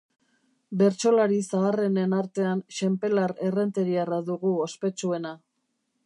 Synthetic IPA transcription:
be̞ɾt͡ʃo̞laɾisaːre̞ne̞naɾt̪e̞anʃempe̞laɾe̞re̞nt̪e̞ɾiaraðuɣuospe̞t͡ʃue̞na

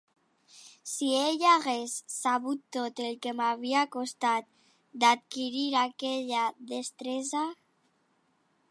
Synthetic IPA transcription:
sieʎaɣesːaβut̪ːot̪elkemaβ̞iakost̪at̪̚ | d̪at̪̚kiɾiɾakeʎaðest̪ɾeza

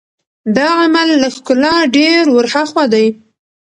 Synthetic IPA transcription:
d̪ɑamalːaxkʊlaɖeɾwʊɾhaxwad̪aj

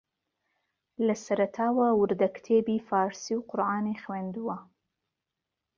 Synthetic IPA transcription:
lɐsɐɾɐt̪ʰɑːwawʊɾd̪ɐkt̪ʰeːbiːfɑːɾsiwqʊɾʔaːnexwend̪uwɐ

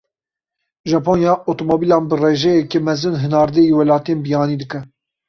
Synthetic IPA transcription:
ʒɑːponjɑːʔot̪omobilɑːnbɨreːʒɛjɛkemɛzɨnɦɨnɑːɾd̪ɛiwɛlɑːt̪eːnbijɑːniːd̪ɨkɛ

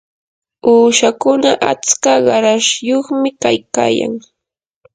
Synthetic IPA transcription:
uːʃakʊnaʔat͡skaɢɑɾaʃjoχmɪkajka̰ːja̰ŋ

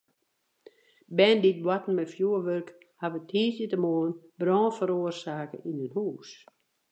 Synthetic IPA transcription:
bɛndit̚bwɔtn̩mɛfjuəʋølk | haʋətʰhiːsjətəmoːnbrɔːfəɾoərsaːkə̰ʔinənhuːs

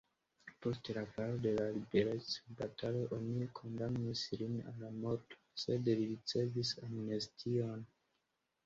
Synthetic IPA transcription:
po̞stlakalode̞lalibe̞ɾet͡sobatʰaleʔo̞nikʰo̞ndamnislina̰nlamo̞ɾto̥se̞dliɾit͡se̞visamne̞stʰio̞n

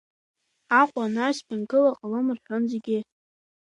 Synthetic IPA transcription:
aqʷʼanaspʰɪnɡɨlaqʼalɨmɨrħʷᶣʊnzeɡʲɪ

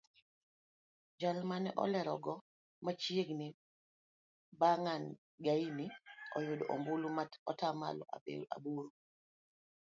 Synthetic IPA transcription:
d͡ʒalmanɛʔɔ̰lɛɾɔɡɔ | mat͡ʃjeɡnɪ | baŋan | ɡainiɔ̰jʊdɔʔo̰mbulumaɔtama̰lɔ̰a̰ḛa̰buɾo

